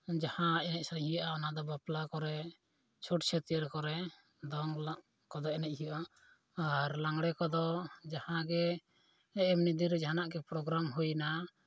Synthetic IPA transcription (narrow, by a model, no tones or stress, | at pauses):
d͡ʒahãɛnɛc̚saɾhijaʔaɔnad̪ɔbaplakɔɾɛ | t͡ʃʰuʈt͡ʃʰɛt̪ijəɾkɔɾɛ | d̪ɔŋla | kɔd̪ɔɛnɛc̚ˀhijɔʔa | aɾlaŋɽɛkɔd̪ɔd͡ʒahãɡɛː | mnid̪iɾɛd͡ʒaɦanaʔɡɛpɾɔɡɾamɦujna